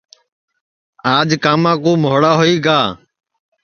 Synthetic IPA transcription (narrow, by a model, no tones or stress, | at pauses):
aːd͡ʒkaːmãːkõːmoːɽaːɦoiːɡaː